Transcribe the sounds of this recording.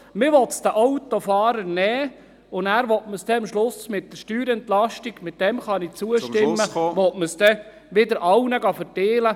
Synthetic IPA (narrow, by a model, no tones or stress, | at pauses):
mɪʋɔtsd̥̪əʔɔwt̪ofɑːɾəɾnɛː | ʊnæːɾʋɔtməsdɛɑmʃlʊsmɪt̚d̥əɾʃtyːɾɛnt̪lɑʃtiɡmɪt̪d̥ɛmχɑnit͡suəʃtɪmːəʋɔtməsd̥ɛ | ʋɪd̪əɾʔɑwnəɡɑfəɾteːlə